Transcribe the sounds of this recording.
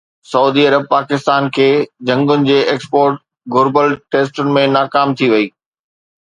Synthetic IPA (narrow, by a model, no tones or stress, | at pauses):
sɐuːd̪iɐɾəb̚paːkɪst̪aːnkʰeːd͡ʑɐ̃ŋɡʊnɪ̆d͡ʑeːʔeːkspoːɾʈ̚ | ɡʱʊɾbəlʈeːsʈʊnɪ̆mẽnaːkaːmt̪ʰiʋɐiː